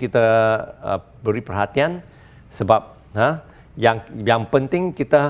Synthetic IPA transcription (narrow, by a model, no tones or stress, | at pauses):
kit̪aə̰ | bəɾipərɦat̪ian | səbap̚ | hə | jaŋjaŋpənt̪ɪŋkit̪a